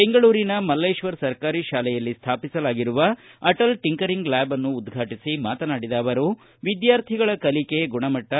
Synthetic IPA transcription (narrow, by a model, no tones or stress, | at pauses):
be̞ŋɡɐɭuːɾinɐmɐlːɐjʃʋɐɾsɐɾkaːɾiʃaːlɛjɐlːist̪ʰaːpisɐlaːɡiɾuʋɐɐʈɐlʈiŋkɐɾiŋɡlaːbɐnːuːd̪ɡʱaːʈisimaːt̪ɐnaːɽid̪aːʋɐɾu | ʋid̪jaːɾt̪ʰiɡɐɭɐkɐlike̞ɡuɳɐmɐʈːɐ